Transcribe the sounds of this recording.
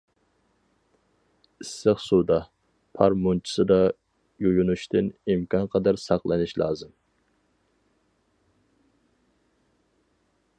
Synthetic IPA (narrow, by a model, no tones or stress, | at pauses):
ɪsːəχsud̪ɑ | pʰɑɾmont͡ʃʰi̥sɨd̪ɑ | jojunuʃt̪ɨnimkʰɑnqʰɑd̪ɑɾsɑqlˠɨnɪʃlˠɑ̰ːzɨm